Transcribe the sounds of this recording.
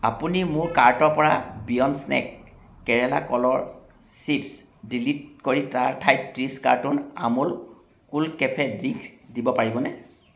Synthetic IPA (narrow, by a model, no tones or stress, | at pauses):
a̰punimʊɹkaɹtɔɹpɔɹa̰bijɔnsnɛ̰kː | ɛɹɛla̰kɔlɔɹ | sips | dilit̚koɹitaɹtʰajtɹiska̰ɹtʊna̰mʊl | kulkɛpʰɛdɹiŋkʰdibɔpaɹibɔnɛ